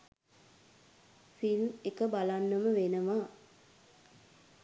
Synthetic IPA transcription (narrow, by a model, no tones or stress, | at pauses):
filmekəbalanːəməʋenəʋa